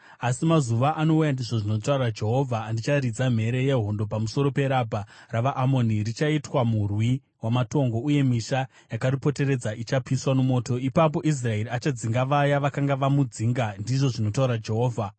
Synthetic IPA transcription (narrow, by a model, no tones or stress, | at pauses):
asimazuʋaʔano̞ujandiʐo̞ʐino̞taurad͡ʒe̞ɦo̞vʱaːndit͡ʃaɾid͡zam̤e̞ɾe̞je̞ɦo̞ndo̞p̬amuso̞ɾo̞pe̞ɾabʱaraʋaʔamo̞nirit͡ʃaitwamurwi | wamato̞ŋɡo̞uje̞miʃa | jakaripo̞te̞ɾe̞d͡zaʔit͡ʃapiswanumo̞ːto̞ipap̬o̞ʔis̬rae̞riat͡ʃad͡ziŋɡaʋajaʋakaŋɡaʋamud͡ziŋɡandiʐo̞ʐino̞tauɾad͡ʒe̞ɦo̞ːvʱa